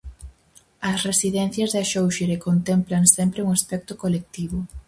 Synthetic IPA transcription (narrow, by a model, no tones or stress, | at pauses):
ɐsresiðɛn̟θjɐzðaʃowʃeɾekont̪emplaŋsɛmpɾeuŋaspɛk̚t̪ʊkolek̚t̪iβʊ